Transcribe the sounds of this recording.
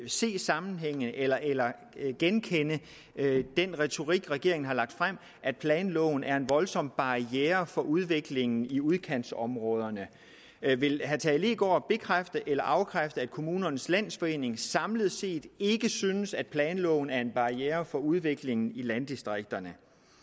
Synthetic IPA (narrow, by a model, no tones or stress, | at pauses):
se̝̰ːsɑ̈mn̩ɦeŋ̰əð̩ʔelɐʔelɐ | ɡ̥enkʰenə | d̥enʁɛt͡sʰo̝ʁiɡ̥ʁɛɡ̥e̝̰ɐ̰eŋn̩ɦɑ̈lɑ̈ɡ̥̚d̥fʁam̰ | ʔæd̥̚pʰlɛːnlɔ̰̽ːn̩æɐe̝nʋɒ̽lsɒ̽m̰b̥ɑ̈ieːɐfɒ̽ʔuð̞ˠʋe̝ɡ̥le̝ŋn̩iuð̞ˠkʰæn̰sɒ̽mʁɔ̽ːð̞ˠɐnə | ʋe̝lɦæt͡sʰɛleːɡ̥ɒ̰ːb̥e̝kʰʁafd̥əʔelɐʔɑ̈ʊkʰʁafd̥ð̩æd̥̚kʰo̝muːnɐnəslæn̰sfɒ̽e̝̰ːne̝ŋsɑ̈mləð̩ˠse̝̰ːd̥e̝ɡ̥əsynəsæd̥̚pʰlɛːnlɔ̰̽ːʊn̩æɐe̝nb̥ɑ̈ieːɐfɒ̽uð̞ˠʋe̝ɡ̥le̝ŋn̩ilænd̥isd̥ʁeɡ̥̚d̥ɐnə